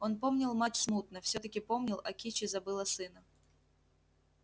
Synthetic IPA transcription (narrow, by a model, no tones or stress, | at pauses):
o̞npo̞mnʲɪlˠmatʲsmut̪nəfsʲot̪əkʲɪpo̞mnʲɪlˠɐkʲit͡ɕɪzɐbɨlˠəsɨnə